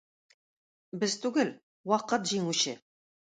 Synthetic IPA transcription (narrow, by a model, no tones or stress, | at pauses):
bɪzt̪ʉɡɘl | wɑqət̪ʒiŋuʃɪ